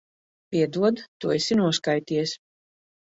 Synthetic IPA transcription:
pʲiɛd̪uɔd̪t̪uɔesinuɔskajt̪iɛs

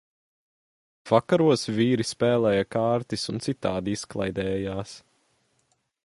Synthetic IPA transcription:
v̥akaɾuɔsviːɾispɛːlˠɛːjakaːɾt̪isunt̪sit̪aːd̪isklˠa̰jd̪ɛːjaːs

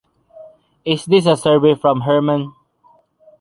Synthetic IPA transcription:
ɪsd̪ɪs̬əsəɹvefɹɔ̃mɦəɹmə̃n

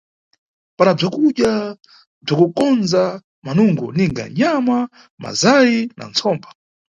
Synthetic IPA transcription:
panab͡ʐakuɗja | b͡ʐakukɔnza | manuŋɡɔniŋɡa̰ɲama | ma̰zajina̰nt͡sʰɔːmba

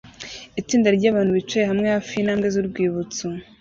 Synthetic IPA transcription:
it͡siːndaɾɟaːβaːn̥huβit͡ʃejeɦamŋehafinaːmɡezuɾɡwiːβut͡su

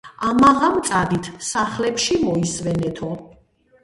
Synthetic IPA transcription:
amaʁamt̪sʼad̪it̪ʰsaχlɛpʃimɔisvɛnɛt̪ʰɔ

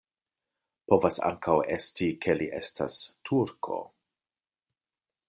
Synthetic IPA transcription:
po̞vasa̰ŋkʰawe̞stikʰe̞liʔe̞̰stʰa̰stʰuɾkʰo̞̰

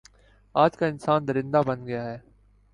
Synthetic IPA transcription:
aːd͡ʒkaɪnsaːnd̪ɐɾɪ̃nd̪abɐnɡɐjaɦɛː

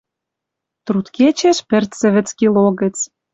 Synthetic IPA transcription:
t̪rut̪ket͡ɕeʃpɘ̆rt̪t͡sɘ̆βɘ̆t͡skiloɣə̆t͡s

